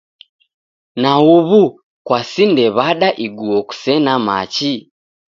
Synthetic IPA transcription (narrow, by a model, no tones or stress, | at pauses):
nauβu | kwasindɛβaɗaʔiɡuɔku̥sɛnama̰t͡ʃi